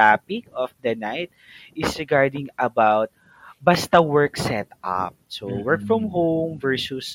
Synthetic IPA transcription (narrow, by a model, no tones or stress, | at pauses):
apɪkɔfd̪ɐnajt̪̚ | ʔɪsɹɪɡaɹd̪ɪ̃ŋɐbawt̪̚ | bɐst̪ɐwɛɹksɛt̪ʔa̰p̚sowɛɹkfɹɔ̃mɦõmvɛɹsus